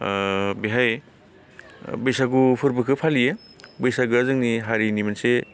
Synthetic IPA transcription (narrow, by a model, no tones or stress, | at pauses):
biɦaj | bɯjsaɡupʰɯɾbɯkʰɯpʰalije | bɯjsaɡɯzɯŋniɦaɾinimanse